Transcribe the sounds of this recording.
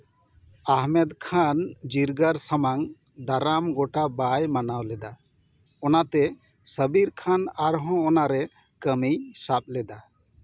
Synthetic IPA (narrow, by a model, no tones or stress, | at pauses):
aɦmɛd̪kʰand͡ʒiɾɡaɾsamaŋd̪aɾamɡɔʈabajmanawlɛd̪a | ɔnat̪ɛ | səbiɾkʰanaɾɦɔ̃ɔnaɾɛ | kəmijsap̚lɛd̪a